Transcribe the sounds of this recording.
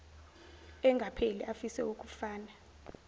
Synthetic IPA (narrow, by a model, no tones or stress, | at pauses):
ɛŋɡʱapʰeliʔafisɛuk̬ʼu̥faːna